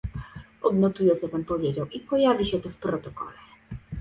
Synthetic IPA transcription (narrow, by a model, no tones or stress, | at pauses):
ɔd̪nɔt̪ujɛt̪sɛpanpɔvʲjed͡ʑawʔipɔjavʲiɕɛt̪ɔfpɾɔt̪ɔkɔ̰lɛ